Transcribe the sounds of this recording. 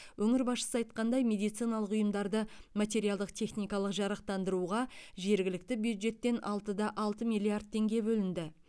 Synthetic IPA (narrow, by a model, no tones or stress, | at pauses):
wʔɵŋɪɾbɑsʃə̥səɑjt̪̚qɑnd̪ɑjme̞d̪ijt̪sijnɑlˠəqʊjəmd̪ɑɾd̪əmat̪̬ʲe̞ɾijalˠd̪əqt̪ʰe̞χnijkɑlˠəqʒɑɾɑq̚t̪ɑnd̪əɾuʁɑʒe̞ɾɡʲɪlɪk̚t̪ɪbjud̪ʒe̞t̪ːe̞nɑlˠt̪əd̪ɑʔɑlˠt̪əmʲijlʲˠiard̪̚t̪ʰːe̞ŋɡʲe̞bɵlɪnd̪ɪ